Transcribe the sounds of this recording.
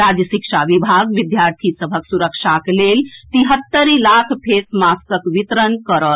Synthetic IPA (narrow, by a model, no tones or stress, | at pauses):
ɾaːd͡ʒəʃikʂaʋibʱaɡʋid̪jaːɾt̪ʰisəbʱəksuɾəkʂakleːlt̪iɦət̪ːəɾilakʰpʰeːsmaskəkʋit̪ɾənkəɾət̪